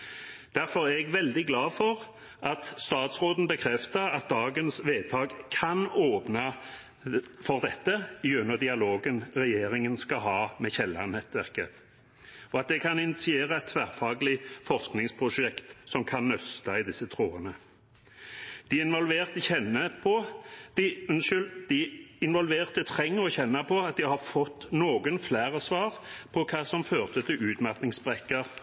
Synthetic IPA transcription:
d̪̥æʁfɔʁæɛɡʋɛld̪ɪɡlɑːfɔʁ | ʔɑt̪st̪ɑːt̪sʁoːd̪n̩bəkʰɾɛft̪əʁɑt̪̚d̪ɑːɡənsʋeːt̪ʰɑːɡkʰɑnoːpnɑ | fɔʁd̪ɛt̪ːəɪʉnːəʁd̪ɪɑloːɡənʁɛjeːʁɪŋənskɑɦɑːmɛçɛlːɑ̰nɛt̪ʋæʁkə | ɔɑt̪̚d̪ɛkʰɑnɪnɪt̪sɪeːʁɑɛt̪ʰʋæːʁfɑːɡəlɪfɔʁsknɪŋspʰʁʊʂɛkt̪sɔmkʰɑnːœst̪ɑɪd̪ɪsːət̪ʰɾoːənə | d̪̥ɪɪnʋɔlʋeːʁt̪əçɛnːəpʰɔd̪̥ɪʉnʃʏld̪̥ɪɪnʋɔlʋeːʁt̪ət̪ʰʁɛŋːəɔçɛnːəpʰɔɑt̪̚d̪ɪhɑɾfɔt̪ːnoːɡənflæːʁəsʋɑːʁpʰɔkʰɑːsɔmføːʁt̪ət̪ʰɪlʉːt̪mɑʁt̪nɪŋsbʁɛkːəʁ

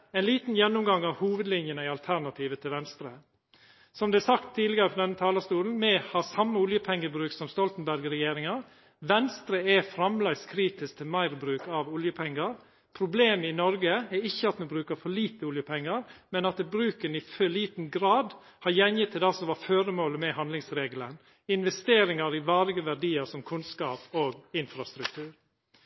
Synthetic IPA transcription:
ɛɪnliːt̪n̩jɛnːʊmɡɑŋːɑʋhuːʋəd̪lɪnjənəɪɑlt̪ʰæɾɳɑt̪ʰiːʋət̪ʰɪlʋɛnst̪ɾə | sɔmd̪ɛæsɑkt̪ʰːiːd̪lɪɡɑɾəpɔd̪ɛnːət̪ʰɑːlɑst̪uːln̩mɛhɑɾsɑmːəʊljəpʰɛŋːəbɾʉːk̪̚sɔmst̪ɔlt̪n̩bæɾɡɾɛjeːɾɪŋɑɾ | ʋɛnst̪ɾəɛfɾɑmlɛɡskʰɾiːt̪ɪsk̚t̪ʰɪlmæɪɾbɾʉːkɑʋʊljəpʰɛŋːɑɾ | pʰɾʊbleːməɪnɔɾɡəɛɪçːəɑt̪mʉnbɾʉːkəɾfɔɭiːt̪əʊljəpʰɛŋːɑɾmɛnɑt̪̚d̪ɛbɾʉːkənɪføɭiːt̪n̩ɡɾɑːd̪ | hɑɾjɛnjɪt̪ʰːɪlɑsɔmʋɑːføːɾəmoːləmɛhɑnd̪lɪŋsɾeːɡələn | ɪnʋɛst̪eːɾɪŋɑɾɪʋɑːɾɪɡəʋæɖiːəɾsɔmkʰʉnskɑːpoːɡɪnfɾɑst̪ɾʉk̚t̪ʰʉːɾ

